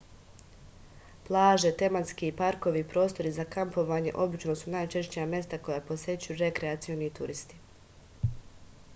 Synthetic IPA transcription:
plˠaːʒe̞t̪e̞mat̪skiːpaɾko̞ʋipɾo̞ːst̪o̞ɾizakampo̞ʋaːɲe̞ʔo̞bit͡ʃno̞sunaːjt͡ʃe̞ʃt͡ɕijamje̞st̪ako̞japo̞sje̞t͡ɕujuɾe̞kɾeat̪sio̞nit̪uɾist̪i̥

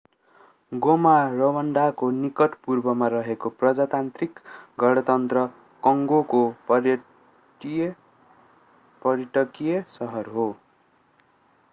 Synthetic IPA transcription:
ɡomarʌwʌɳɖakonikʌʈpurbʌmaɾʌɦekoprʌd͡zat̪ant̪rikɡʱʌɽʌt̪ʌnt̪rʌ | kʌŋɡoko | pʌrjiʈʌkijesʌɦʌrɦo

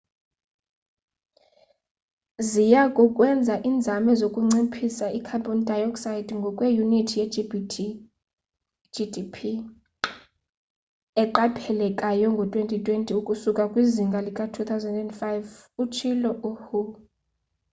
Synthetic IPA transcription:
zijakʼukʼwɛnd͡zʱaʔiːnd͡zʱamɛzokʼuŋ͡ǀipʰisaikʰabɔndʱajɔksajidŋɡʱɔkʼwejunitʰijɛb | d͡ʒidipʰi | ɛǃapʰɛlɛkʼajɔŋɡʱɔtʼwentʼitʼwentʼiukʼusukʼakʼwiziŋɡʱalikʼatʰuθʰawzɛndɛndfajvut͡ʃʰilɔʔuhu

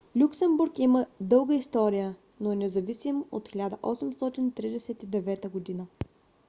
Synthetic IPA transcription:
lʲuksɛmbuɾkiməd̪ɤlˠɡəist̪ɔɾijə | noɛnɛzɐvisimʔot̪xʲilʲad̪əʔɔsɛmst̪ɔt̪int̪ɾid̪ɛsɛt̪id̪ɛvɛt̪əɡod̪inə

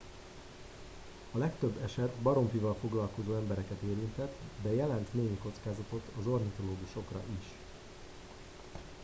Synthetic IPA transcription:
ɒlɛkt̪øbːɛʃɛt̪bɒɾo̞ɱfivɒlfo̞ɡlɒlko̞zoːɛmbɛɾɛkɛt̪eːɾint̪ɛt̪d̪ɛjɛlɛnt̪neːniko̞t̪skaːzɒt̪o̞t̪ɒzo̞rnit̪o̞loːɡuʃo̞krɒ̰ʔiʃ

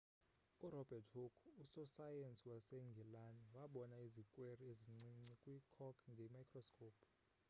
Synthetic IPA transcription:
uɾɔb̥ʱɛtʰhukʰusɔsajensiwaseŋɡʱɛlaniwaɓɔnaizikʼwerieziŋ͡ǀiŋ͡ǀikʼwikʰɔkʰŋɡʱɛmajkʰrɔskʰʼoːp

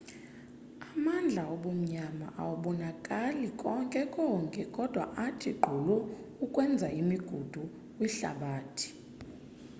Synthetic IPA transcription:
amand͡ɮʱaoɓum̩ɲama̰ʔa̰wuɓɔnakʼalikʼɔŋkʼɛkʼɔːŋkʼɛkʼɔd̥ʱwa̰ʔatʰiɡ͡ǃʱulɔ | ukʼwɛnd͡zʱaimiɡ̥ʱud̥ʱu | kʼwiɬa̰ɓaːtʰi̥

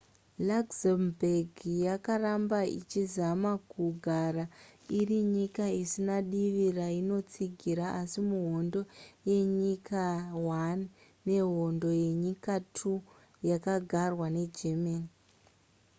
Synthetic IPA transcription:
laɡzambʱeɡʱijakarambaḭt͡ʃizamakuɡʱarairiɲikaisinaɗiʋiraino̞t͡siɡʱiɾaʔasimuɦo̞ndo̞je̞ɲikawanː | e̞ɦo̞ndo̞je̞ɲikatʰu | jakaɡʱarwane̞d͡ʒemaːni

